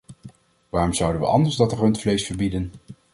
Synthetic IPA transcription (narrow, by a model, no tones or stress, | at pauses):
ʋaːrɔmzʌwdənʋə̰ʔɑ̰ndəɹzdɑtərɵntflejsfəɹbidən